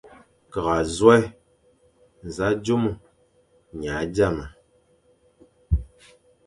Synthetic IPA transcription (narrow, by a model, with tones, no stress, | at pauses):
ka˨ɣa˨zwa˦ | n̩˨za˨˦d͡ʒo˦mu˨ | ɲa˨˦d͡ʒa˦˨ma˨